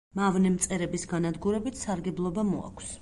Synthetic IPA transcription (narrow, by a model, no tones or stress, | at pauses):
mavnɛmt̪sʼɛɾɛbisɡanad̪ɡuɾɛbit̪ʰsaɾɡɛblˠɔbamɔa̰kʷʰs